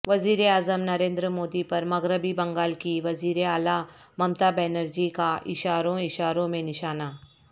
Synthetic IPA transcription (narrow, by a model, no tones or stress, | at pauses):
ʋɐziːɾeaːzəmnɐɾẽːnd̪ɾəmoːd̪ipɐɾmɐɣɾəbibɐ̃ŋɡaːlkiʋɐziːɾeaːlamɐmt̪abɛːnəɾd͡ʒikaʔɪʃaːɾõɪʃaːɾõmẽnɪʃaːnaː